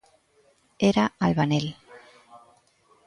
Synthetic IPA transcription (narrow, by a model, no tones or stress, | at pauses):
eɾaalβanel